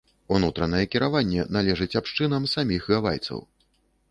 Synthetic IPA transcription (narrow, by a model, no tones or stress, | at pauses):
unut̪ɾɐnɐjɛkʲiɾavanʲːɛnalʲɛʐɨt͡sʲapʂt͡ʂɨnɐmsamʲixɣavajt̪sɐ̰w